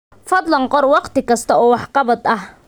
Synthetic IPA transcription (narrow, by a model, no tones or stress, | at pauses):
fɐd̪lɐŋqɔrwɑqt̪ɪkʰɐst̪ʰɐɔːwɑħqɑβɐd̪ɐh